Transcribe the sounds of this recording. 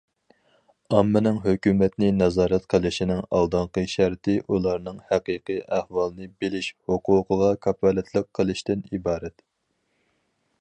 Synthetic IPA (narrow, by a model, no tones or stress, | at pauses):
ɑmːɪnɪŋɦøkʲymɛt̪nɪnɑzɑːɾɛt̪qʰəlˠɨʃinɪŋɑ̰lˠd̪ɑɴqəʃæɾt̪ʰɪʔulˠɑɾnɨŋhæqiːqɨjʔæhwɑlˠɨnɨbelɪʃhoqʰuːqʰəʁɑkʰɑpʰɑlɛt̪ʰlˠəqʰːəlˠɨʃt̪ɪnibɑːɾɛt̪